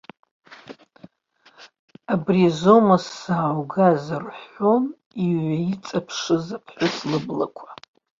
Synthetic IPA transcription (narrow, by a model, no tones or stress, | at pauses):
abrizomasːaːwɡazarħon | iɥʷait͡sʼapʰʂɨzapʰħʷʊslɨblakʷʰḁ